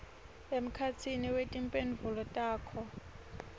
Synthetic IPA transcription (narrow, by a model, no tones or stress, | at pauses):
em̩kʰat͡sʰiniwetʼimpʼenvulɔtʼaːkʰɔ